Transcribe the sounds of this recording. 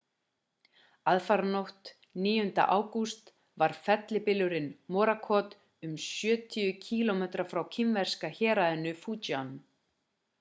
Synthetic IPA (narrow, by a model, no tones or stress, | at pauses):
aðfaɾnowht̪ | niːjʏnt̪a̰ʔaːwkust̪ | vaɾ̥fɛt̪lɪpɪlʏɾɪnmɔːɾakʰɔːt̪ | ʏmsjœːt̪ʰʏjʏcʰiːlɔmɛt̪ɾafɾawcʰɪmvɛr̥skaçɛːɾaðʏnːʏfuːt͡ɕan